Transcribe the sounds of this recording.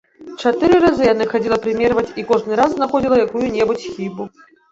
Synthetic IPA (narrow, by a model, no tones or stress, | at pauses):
t͡ʂat̪ɨɾɨɾazɨjanɨxad͡zʲilˠɐpɾɨmʲɛrvɐt͡sʲikɔʐnɨɾazznaxɔd͡zʲilˠɐjakujunʲɛbut͡sʲxʲibu